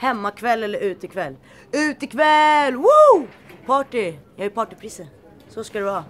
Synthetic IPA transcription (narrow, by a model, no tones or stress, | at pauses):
hɛmːakʰvɛlːɛlːəɾʉ̟ːt̪ɪkʰvɛlː | ʉ̟ːt̪ɪkʰvɛlːwu | pʰɑːʈɪjɑːaɾpʰɑːʈɪpʰɾiːsə | sɔskad̪ɛvɑ